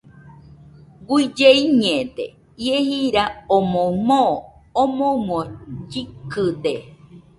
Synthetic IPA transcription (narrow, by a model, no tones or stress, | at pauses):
ɡʷid͡ʒeiɲẽt̪ḛ | iehiɾaomõmõː | mõmõd͡ʒikɨd̪e